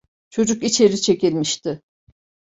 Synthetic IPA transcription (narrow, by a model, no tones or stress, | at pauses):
t͡ʃʰo̞d͡ʒukit͡ʃʰe̞ɾit͡ʃʰe̞cilʲmiʃt̪ʰɪ